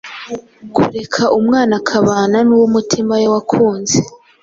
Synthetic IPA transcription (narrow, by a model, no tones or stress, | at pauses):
kṵɾe̞kʰaʔumŋaːnakʰaβaːnanuwomutʰimajawakʰuːnze